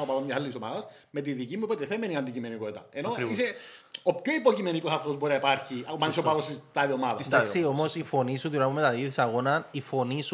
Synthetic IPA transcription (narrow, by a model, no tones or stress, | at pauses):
opɐðomɲɐsɐlːisomɐðɐs | me̞t̪̬iðicimːupot̪eθemeniɐnd̪icime̞niko̞t̪it̪ɐeno̞iseopço̞ipocime̞niko̞sɐθɾoozboɾinɐipɐɾçiɐɐnisopɐðosist̪ɐðiomɐðɐndaksio̞mo̞sifo̞nisut̪uɾɐmumet̪ɐliðisɐɣo̞nɐnifo̞nisu